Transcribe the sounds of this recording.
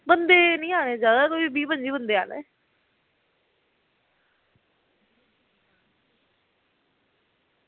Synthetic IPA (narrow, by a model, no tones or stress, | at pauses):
bənd̪eːnĩːaːɽ̃eːd͡ʒjaːd̪aːkoːiibiːpə̃ɲd͡ʒiːbənd̪eːa̰ːnḛː